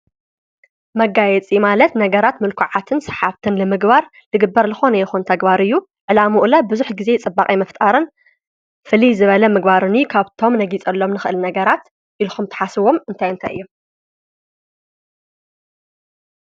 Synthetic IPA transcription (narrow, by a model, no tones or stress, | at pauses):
mɐɡajɛt͡sʼimalɐt̪nɐɡɐɾat̪mɨlkʰuʕat̪ʰɨnsɐ̥ħaβt̪ʰɨnlɨmɨɡbaɾ | lɨɡɨbːɐɾlɨxo̞nɐjɛxunt̪ʰɐɡbaɾɨjːu | ʕɨlamuʔlɐbɨzuħɡize̞t͡sʼɨbːaχʼijmɐft̪ʼaɾɨn | fɨlizɨβɐlɐmɨɡbaɾɨnukʰaβt̪ʰo̞mnɐɡit͡sʼɐlːo̞mnɨxɨʔɨlnɐɡɐɾat̪ | ʔilxumt̪ʰɐ̥ħasɨβo̞mɨnt̪ʰajɨnt̪ʰa̰jɨ̰jːu